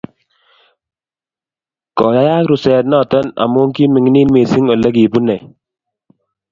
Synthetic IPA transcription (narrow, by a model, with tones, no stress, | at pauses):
kɔ˨ja˦ja˦kɾu˨sɛ˨t̬̚nɔ˦˨tɔ˦na̰˨mo˦ŋki˦mi˨ŋ˦niː˦nme˨si˦ŋɔ˨lɛ˦k̬i˨pu˦nɛ˨